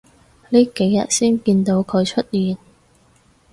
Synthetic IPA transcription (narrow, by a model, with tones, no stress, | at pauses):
liː˥ke˨˥jːɐ̰˨t̚siː˥nkiː˧nt̪o˨˥wkʰɵ˨˧ɥt͡ʃʰɵ˥t̚jiː˨n